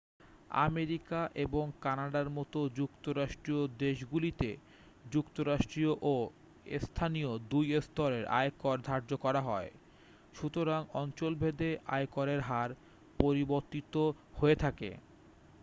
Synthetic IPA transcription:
a̰meɾikaʔeboŋkanaɖaɾmɔt̪od͡ʑukt̪oɾaʃʈɾiod̪eʃɡulit̪e | d͡ʑukt̪oɾaʃʈɾioʔo | est̪ʰaniod̪ujest̪ɔɾeɾʔa̰ekɔɾd̪ʱaɾd͡ʑokɔɾaɦɔe | ʃut̪oɾaŋɔnt͡ɕolbʱed̪ea̰ekɔɾeɾɦaɾ | poɾiboɾt̪it̪o | hoet̪ʰakḛ

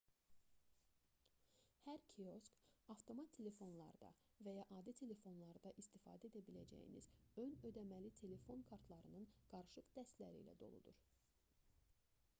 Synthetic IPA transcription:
hæɾkʰio̞skɑft̪ʰo̞mɑt̪ʰːe̞le̞fo̞nlˠɑ̰ɾd̪ɑ̰væjɑʔɑːd̪it̪ʰe̞le̞fo̞nlˠɑɾɯd̪ɑʔist̪ifɑ̰ːd̪æed̪æbilæ̰d͡ʒæ̰jḭnḭz̥ø̞nø̞d̪æmælit̪ʰe̞le̞fo̞nkʰɑɾt̪ʰlˠɑɾɯnɯnɡ̥ɑɾɯʃɯqd̪æst̪læɾḭːlæ̰d̪o̞̰lˠṵd̪uɾ

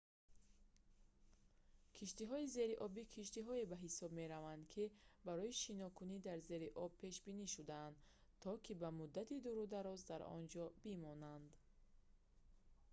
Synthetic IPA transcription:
kʰiʃt̪iɦɔize̞ɾiʔɔbikʰiʃt̪iɦɔebaɦisɔbme̞ɾavand̪kʰibaɾɔiʃinɔkʰunid̪aɾze̞ɾiʔɔb̚pʰe̞ʃbiniʃud̪aːnd̪ | t̪ʰɔkʰibamud̪ːat̪id̪uɾud̪aɾɔzd̪aɾɔ̰nd͡ʒɔbimɔnand̪

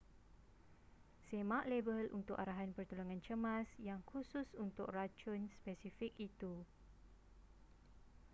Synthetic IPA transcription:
semaʔlebəlʔṵnt̪ʊkaɾaɦanpərt̪uluŋãnt͡ʃəmãsjaŋkususunt̪ʊkrat͡ʃʊnspɛsifik̚it̪u

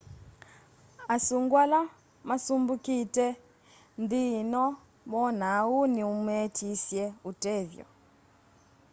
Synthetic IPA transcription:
asuŋɡwala | masumbukitʼɛ | nd̪inɔ | mɔn̤auniumetʰisjɛutʼɛːvjɔ̰

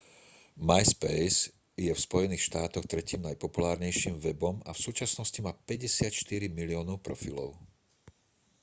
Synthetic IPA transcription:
majspɛjz | jɛfspɔjɛniːxʃt̪aːt̪ɔxt̪ɾɛciːmnajpɔpulaːɾɲɛjʃiːmʋɛbɔmafsuːt͡ʃasnɔscimaːpɛɟɛsɪat̪ʃt̪iɾimiliɔːnɔʊpɾɔfilɔ̰ʊ

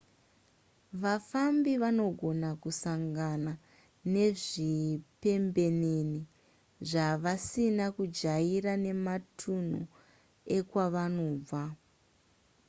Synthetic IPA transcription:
ʋafambiʋano̞ɡʱo̞nakusaŋɡana | ne̞ʐipe̞mbe̞neni | ʐaʋasinakud͡ʒaiɾane̞matʰun̤u | e̞kwaʋano̞ːb͡va

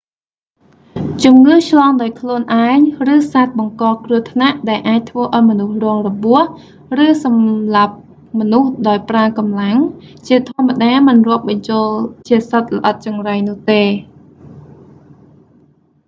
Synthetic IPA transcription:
t͡ɕumŋɨːht͡ɕʰlɑːŋɗaɔjkʰluənʔaɛŋrɨːsaːt̪̚ɓɑŋkɑːkruəht̪ʰnaʔɗaɛlʔaːc̚t̪ʰʋəːʔaɔjmɔnuhrɔəŋrɔɓuəh | rɨːsɑmlap̚ | mɔnuhɗaɔjpraəkɑmlaŋt͡ɕiət̪ʰŏəmːaɗaːmɨnrʊ̆əp̚ɓɑɲt͡ɕoəlt͡ɕiəsət̪̚lə̆ʔɑt̪̚t͡ɕɑŋrajnʊ̆əht̪eː

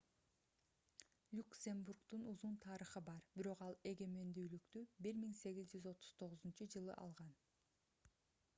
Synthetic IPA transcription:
lʲuksʲe̞mburkt̪unuzunt̪ʰɑɾəχɯbɑɾbiɾo̞qɑlˠe̞ɡe̞me̞nd̪yːlykt̪ybiɾmiŋse̞ɡizd͡ʒyzo̞t̪ʰu̥z̥t̪ʰo̞ʁʊzunt͡ʃud͡ʒɯlˠɯ̰ʔɑ̰lˠʁɑn

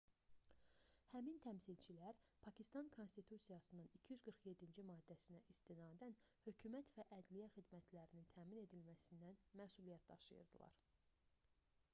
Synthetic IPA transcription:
hæmint̪ʰæmsilt͡ʃʰilæɾpʰɑcʰist̪ɑnkʰo̞nst̪it̪ʰusijɑsɯnɯnicʰijyzɡɯɾχje̞d̪ːind͡ʒimɑːd̪ːæsinæʔist̪inɑːd̪ænhø̞cʰumæt̪væʔæd̪lijæxid̪mæt̪ʰlæɾinint̪ʰæːmine̞d̪ilmæsind̪ænmæsulijæt̪̚d̪ɑ̰ʃɯ̰jɯ̰ɾd̪ɯ̰lˠɑ̰ɾ

